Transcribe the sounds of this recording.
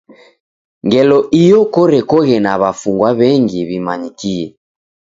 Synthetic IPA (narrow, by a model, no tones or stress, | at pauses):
ŋɡɛlɔʔijɔkɔɾɛkɔɣɛnaβafuŋɡwaβɛŋɡiβimaɲikiɛ